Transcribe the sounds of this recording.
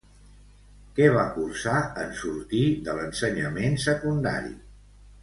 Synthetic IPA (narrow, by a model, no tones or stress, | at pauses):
kɛβ̞akursaənsuɾt̪iðələnsəɲəmensəkund̪a̰ɾḭ